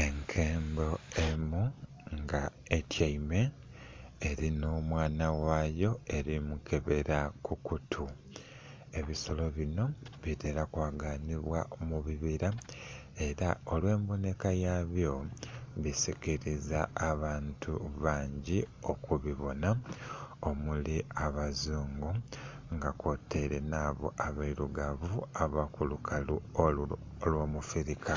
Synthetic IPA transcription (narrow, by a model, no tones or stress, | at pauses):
e̞ŋkʰe̞ːmbo̞emu | ŋɡa | etʰjaime̞ː | ɾinoːmwaːnawaːjo̞e̞ɾimukʰe̞βe̞ɾakukutʰu | e̞βiso̞lo̞βino̞βitʰe̞ɾakwaːɡaniβwaomuβiβiɾa | e̞ɾao̞lwe̞ːmbone̞kajaːβjo̞βisikiɾizaːβaːntʰuβaːɲɟio̞kuβiβo̞na | o̞muliaβazuːŋɡuŋɡako̞te̞ɾe̞naːβo̰ʔaβaiɾuɡaβuaβakulukʰalu | lwomufiɾika